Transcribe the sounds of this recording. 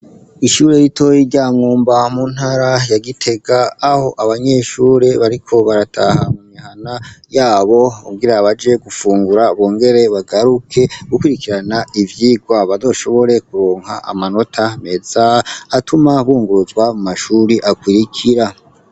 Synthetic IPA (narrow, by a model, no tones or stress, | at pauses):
iʃuːɾe̞ɾito̞jiɾɟaːmŋuːmbamun̥haɾajaɡitʰe̞ɡaːho̞ʔaβaɲe̞ʃuːɾe̞βaɾikʰo̞βaɾatʰahamuɲihanajaːβo̞uɡiɾaβad͡ʒe̞ɡufuːŋɡuɾaβoːŋɡe̞ɾe̞βaɡaɾukʰe̞ɡukwiɾikiɾanaivjiːɡwaβazo̞ʃo̞βo̞ɾe̞kuɾoːŋ̥haʔa̰mano̞tʰame̞zaːtʰumaβuːŋɡuɾuzwamumaʃuɾiʔakwiɾikʰiɾa